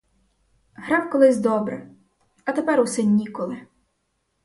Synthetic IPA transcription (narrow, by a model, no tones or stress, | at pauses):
ɦɾɑwkɔlˠɪzʲd̪ɔbɾɛ̰ | ɐt̪epɛɾʊsɛnʲːikɔlˠɪ